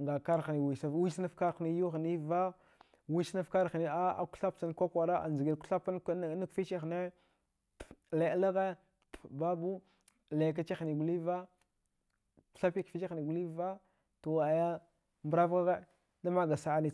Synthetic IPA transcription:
ŋɡa˨ka˦ɾxni˨wi˨sa˨wi˦sna˦fka˦ɾni˦ju˦xni˦va˦ | wi˦sna˦fka˦ɾxni˦a˦a̰˨ku̥˦ɬa˦p̚t͡sa˦n˦kʷa˦kʷa˨ɾa˦a̰˨nzi˨ɡi˨lku̥˦ɬa˦pna˦kfi˦t͡ʃe˦xne˦ | le˨˦la˦ɣe˦ | ba˦bu˦ | le˨k̬a˦t͡ʃe˦xni˨ɡu˨li˦va˦ | ku̥˦ɬa˦pi˦kfi˦t͡ʃe˦xni˨ɡu˨li˦va˦ | to˨wa˨ja˦ | mbɾa˦vɡa˦ɣe˦ | da˦ma˦ɡa˨sa˦a˦ni˦

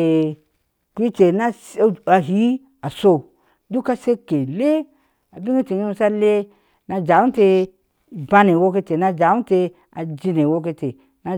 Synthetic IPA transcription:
ku˦i˦te˨na˦sa˨ɦi˦ | a˨so˦˨ | du˦ka˦se˦ke˨le˦ | a˨bi˦ŋe˦te˨ɲu˦sa˦le˦ | na˨d͡ʒa˨u˦te˦˨ | ba˦ne˨wo˦ke˦te˨na˦d͡ʒa˨u˦te˧ | a˨d͡ʒi˦ne˨wo˦ke˦te˨ | na˦

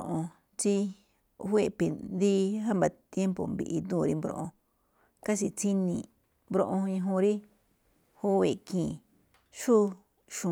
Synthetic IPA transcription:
ʔõ˧ | t͡ʃi˧ | wʷe˧˨pi˨nd̪i˦ɦa˦mba˨t̪je˦mpo̰˨mbḭ˧ʔi˧d̪ũː˦˨ɾi˦mbɾõ̰˧ʔõ˧ | ka˦si˧t͡si˦nĩ˧˨ | mbɾõ̰˧ʔõ˧ĩ˧ɦũ˧ɾi˦ | hu˦we˧˨kĩː˨ | ʃu˦ | ʃũ˨

